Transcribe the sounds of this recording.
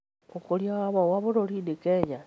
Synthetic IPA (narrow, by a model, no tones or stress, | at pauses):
okoljaβawaβuɾolidikeja